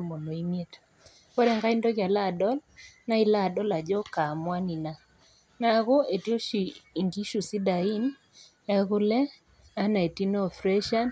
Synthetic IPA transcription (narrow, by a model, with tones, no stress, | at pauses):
mɔ˨nɔ˨i˦mje˦t | kɔ˦ɾɛ˦˨ŋɡa˦i˦ndɔ˦ɣja˨la˦˨dɔ˦lna˦i˦la˦˨dɔ˦la˨d͡ʒɔ˦ka˨mwa˦ni˨na˦ | na˦ɣo˦ʔe˨tjo˦ʃi˨i˨ŋɡi˦ʃu˨si˦da˨i˦n | ɛ˦ɣʊ˦lɛ˦ | a˦na˨e˨ti˦nɔ˦˨fɾɛ˦ʃa˦n